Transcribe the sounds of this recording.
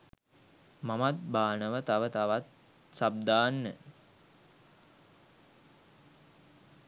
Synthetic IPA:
mamat̪̚baːnəʋət̪aʋət̪aʋat̪̚ | sab̚d̪aːnːə

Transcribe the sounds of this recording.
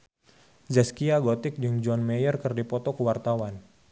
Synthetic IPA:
zɛskiaɡɔt̪ɪk̚d͡ʒɨŋd͡ʒɔnmɛjərkərdipɔt̪ɔkəwart̪awan

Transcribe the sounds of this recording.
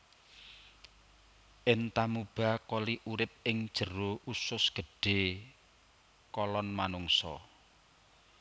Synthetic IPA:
ʔɪnt̪amub̥a̤koliʔuɾɪp̚ɪŋd̥ʒ̥ə̤roʔusʊsɡ̥ə̤ɖ̥e̤ | kɔlɔnmanʊŋsɔ̰

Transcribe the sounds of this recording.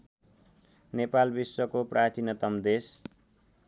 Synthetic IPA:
nepalbiswʌkoprat͡sinʌt̪ʌmd̪es

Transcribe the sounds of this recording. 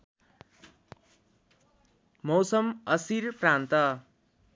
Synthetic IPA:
mʌwsʌmʌsirprant̪ʌ

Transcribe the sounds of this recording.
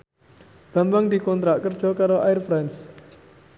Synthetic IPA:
ɡ̥a̤mbaŋd̪ikɔnt̪ɾaʔkər̥ʒ̥ɔkaɾoʔaɪrfɾans

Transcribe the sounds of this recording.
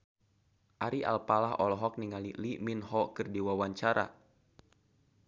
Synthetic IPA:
ʔaɾiʔa̰lpalaɦɔlɔɦɔk̚niŋaliliminɦɔkɨrdiwawaɲt͡ʃaɾa̰

